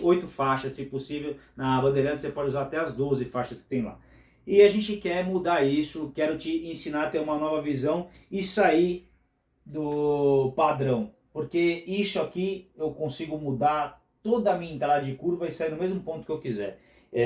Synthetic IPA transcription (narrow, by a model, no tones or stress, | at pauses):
ojt̪ʊfaʃɐssɪposivewnɐbɐ̃nd̪eɾɐ̃nɐsepɔd͡ʒɪuzaɾat̪ɛɐzd̪ozɪfaʃɐskɪ̥t̪ẽj̃la̰ | ɪaʒẽnt͡ʃɪkɛmud̪aɾisʊkɛɾʊt͡ʃɪẽsĩnaɾt̪ẽɾũmɐnɔvɐvizɐ̃w̃ɪsaiɾ | d̪ʊpad̪ɾɐ̃w̃ | poɾkeisʊakiewkõsiɡʊmud̪aɾ | t̪od̪ɐmĩɲɐẽt̪ɾad̪ɐd͡ʒɪkuɾvɐɪsaiɾnʊmezmʊpõt̪ʊ̥kewkizɛɾ | ɛ